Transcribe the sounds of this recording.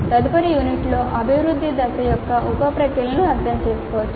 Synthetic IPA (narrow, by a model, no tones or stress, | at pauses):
t̪ɐd̪upɐɾijuniʈlo̞ːʔɐbʱiʋɾud̪ʱːid̪ɐsɐjɔkːɐʔɔpɐpɾɐkiːlɐnɐɐɾd̪ʱɐmt͡ʃe̞ːskɔːʋɐt͡ʃː